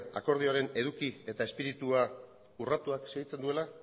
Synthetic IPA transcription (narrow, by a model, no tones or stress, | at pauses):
a̰ko̞ɾð̞io̞aɾe̞ne̞ðukie̞t̪ae̞spiɾit̪ua | urat̪uakseɣit͡se̞nd̪ue̞la